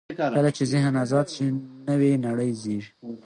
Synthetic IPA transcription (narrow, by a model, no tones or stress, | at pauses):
kəlat͡ʃezɪɦnazɑd̪ʃinəwenaɽəjziʐ